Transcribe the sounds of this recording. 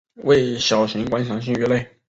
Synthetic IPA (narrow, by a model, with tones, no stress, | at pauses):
we˥˩ɪɕjɑ˨˩ʊɕʰi˧˥ŋkwa˧˥nɕʰjɑ˧˥ŋɕ̬i˥˩ŋɛ˧˥le˥˩ɪ